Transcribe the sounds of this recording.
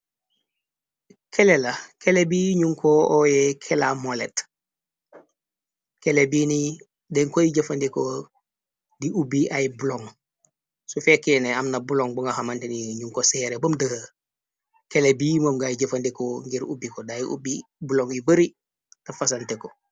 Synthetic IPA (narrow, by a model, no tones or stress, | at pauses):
kʰelelakʰelebiːɲuŋkʰoojekʰelamolet | kelebiːni | deŋkojiɟɐfandiko | diʔubiʔajibuloŋ | sufekeːneamnabuloŋbuŋahamanteniɲuŋkoseɾebomdəh | kelebiːmomɡajiɟɐfandikoŋɡiɾṵbikodajiʔṵbibuloŋibəɾi | tafas̬anteko